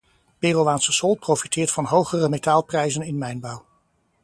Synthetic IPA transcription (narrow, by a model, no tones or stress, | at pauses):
peːrowʋaːnsəsɔlˠt̚prowfitɪːɹtfɑnɦowχərəmetaːlˠprɛjzənɪnmɛjnbɑw